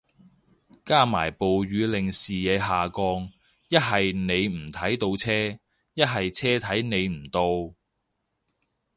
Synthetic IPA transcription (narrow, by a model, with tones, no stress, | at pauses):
kaː˥maː˨˩jpo˨wɥyː˨˧lɪ˨˩ŋsiː˨jɛː˨˧˥ɦaː˨kɔː˧ŋ | jɐ˥t̚ɦɐ˨jne˨˧jm̩˨˩t̪ʰɐ˨˥jt̪o˧wt͡sʰɛː˥ | jɐ˥t̚ɦɐ˨jt͡sʰɛː˥t̪ʰɐ˨˥jne˨˧jm̩˨˩t̪o˧w